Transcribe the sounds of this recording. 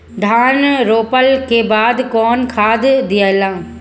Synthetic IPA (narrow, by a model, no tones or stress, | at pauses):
ɖʱaːnɾoːpəlkebaːd̪kɔːnkʰaːd̪d̪ɪəlãː